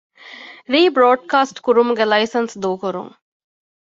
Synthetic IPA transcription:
ɾiːbɾoːɖ̚kaːsʈkuɾumuɡɛlɐjsɐnsd̪oːkoɾṵŋ

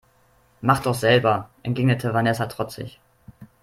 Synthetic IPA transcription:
maχd̥ɔχz̥ɛlbɐʔɛntɡ̥eːɡnətʰəvanɛsatʁ̥ɔt͡sɪ̰ç

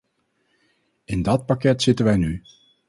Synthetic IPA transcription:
ɪndɑt̚pakɛtsɪtənʋɛjny

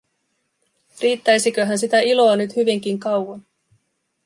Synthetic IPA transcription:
riːt̪ːæjsikøɦænsit̪æilo̞ːnyt̪hyʋiŋk̟iŋkɑwwɑn

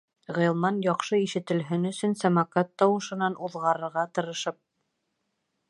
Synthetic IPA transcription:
ʁɤ̆jɤ̆lˠmɑnjɑqʃɤiʃɘ̆t̪ɘ̆lɦɘnɵ̆sɵnsæmɑkɑt̪ːɑwɤ̆ʃɤ̆nɑnʔuðʁɑɾɤ̆ɾʁɑt̪ɤ̆ɾɤ̆ʃɤp̚

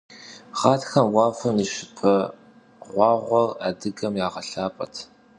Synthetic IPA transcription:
χaːtxɐmwɑːfɐmiʃɪ̥pʰɐ | ʁʷɑːʁʷɔraːdɨɡɐmjaːʁɐɬaːpʼɐ̰tʰ

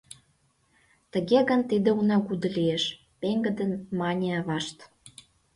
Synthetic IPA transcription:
t̪ə̆ɣeɣənt̪id̪eunɑkud̪ə̆lieʃ | peŋɡə̆d̪ə̆nmɑnʲeɑβɑʃt̪

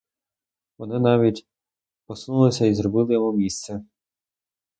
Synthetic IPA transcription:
ʋɔnɪnɑʋʲitʲ | pɔsnulˠɪsʲɐizrɔbɪlˠɪjɔɦumʲist̪sɛ

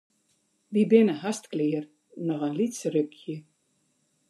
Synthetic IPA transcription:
ʋibɪnəhastklɪːər | nɔxənlitsrøkʰjə

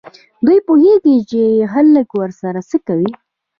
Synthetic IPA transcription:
d̪ujpuheɡit͡ʃeɦaləkwəɾsaɾasəkawi

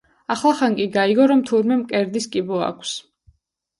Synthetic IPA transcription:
aχlˠaχankʼiɡaiɡɔɾɔmt̪ʰuɾmɛmkʼɛɾd̪iskʼibɔa̰kʰs

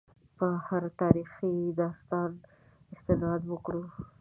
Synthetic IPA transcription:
pəhaɾt̪ɑɾixid̪ɑst̪ɑn | ɪst̪ɪnɑd̪wəkɽu

